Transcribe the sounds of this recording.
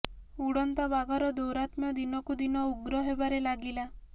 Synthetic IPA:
uɽɔnt̪abaɡaɾɔd̪owɾat̪mjɔd̪inɔkud̪inɔuɡɾɔɦebaɾelaɡila

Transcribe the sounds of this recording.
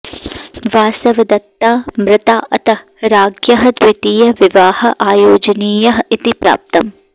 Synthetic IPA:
ʋaːsɐʋɐd̪ɐt̪ːaːmɾɪt̪aːʔɐt̪ɐ | ɾaːɡjɐɦɐd̪wɪt̪iːjɐʋɪʋaːhɐʔaːjoːd͡ʒɐniːjɐɦɐit̪ipɾa̰ːp̚t̪ɐm

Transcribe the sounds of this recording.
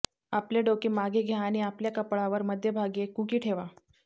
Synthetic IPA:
apleɖokiːmaɡeɡʱjaːɽ̃iapljakəpɭaʋəɾməd̪ʱjebʱaɡekukiːʈʰeʋa

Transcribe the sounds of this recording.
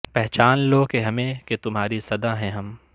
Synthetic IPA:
pɛɦt͡ʃaːnloːkeɦɐmẽket̪ʊmɦaːɾisɐd̪aɦɛ̃ɦɐm

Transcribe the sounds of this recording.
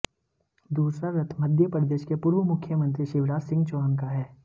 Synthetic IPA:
d̪uːsɾaɾɐt̪ʰmɐd̪ʱjəpɾəd̪eːʃkepuːɾʋəmʊkʰːjəmə̃nt̪ɾiʃɪʋɾaːd͡ʒsɪ̃ŋɡt͡ʃoənkaɦɛː

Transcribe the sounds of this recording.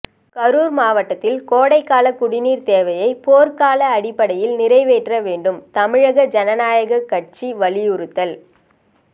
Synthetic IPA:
kɐɾuːɾmaːʋɐʈːɐt̪ːɪlkoːɽɐɪkːaːlɐkʊɽɪniːɾt̪eːʋɐjɐɪpoːɾkaːlɐːɽɪpːɐɽɐjɪlnɪrɐɪʋeːʈrɐʋeːɳɖɯmt̪ɐmɪɻɐɣɐd͡ʒɐnɐnaːjɐɣɐkːɐʈ̚t͡ʃiʋɐɭɪjʊɾɯt̪ːɐl

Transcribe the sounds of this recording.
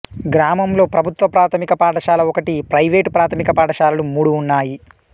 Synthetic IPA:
ɡɾaːmɐmlo̞ːpɾɐbʱut̪ʋɐpɾaːt̪ʰɐmikɐpaːʈɐʃaːlɐɔkɐʈipɾɐjʋeːʈpɾaːt̪ʰɐmikɐpaːʈɐʃaːlɐlumuːɽuːnːaːji

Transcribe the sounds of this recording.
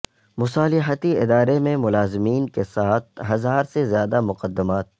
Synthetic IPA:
mʊsaːlɪɦət̪iɪ̰d̪aːɾemẽmʊlaːzɪmiːnkesaːt̪̚ʰɦɐzaːɾsezjaːd̪amʊqəd̪ːɪmaːt̪̚

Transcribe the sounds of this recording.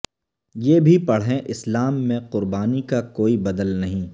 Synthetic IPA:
jeːbʱipɐɽ̤ɦẽʔɪslaːmːẽqʊɾbaːnikakoːibɐd̪əlnɐɦĩː

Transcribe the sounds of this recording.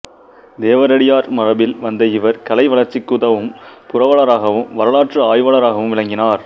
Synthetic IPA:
d̪eːʋɐɾɐɽɪjaːɾmɐrɐbɪlʋɐnd̪ɐɪʋɐɾkɐlɐɪʋɐɭɐɾt͡ʃːɪkːɯðɐʋɯmpʊrɐʋɐɭɐɾaːɣɐʋɯmʋɐɾɐɭaːʈrɐaːjʋɐɭɐɾaːɣɐʋɯmʋɪɭɐŋɡɪnaːɾ

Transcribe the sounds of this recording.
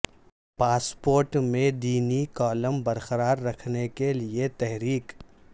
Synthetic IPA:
paːspoːɾʈmẽd̪iːnikɔːləmbɐɾqəɾaːɾːɐkʰnekeliet̪ɛɦɾiːk

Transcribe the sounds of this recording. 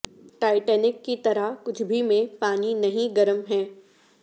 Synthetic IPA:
ʈaːɪʈɛːnɪkːit̪ɐɾakʊt͡ʃʰbʱimẽpaːninɐɦĩɡɐɾəmɦɛ̃ː

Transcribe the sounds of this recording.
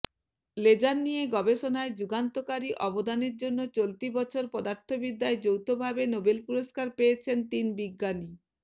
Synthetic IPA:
led͡ʑanːijeɡɔbeʃonaed͡ʑuɡant̪okaɾiʔɔbod̪aneɾd͡ʑonːot͡ɕolt̪ibɔt͡ɕʰoɾpɔd̪aɾt̪ʰobid̪aed͡ʑowt̪obʱabenobelpuɾoskaɾpeet͡ɕʰent̪inbiɡːani

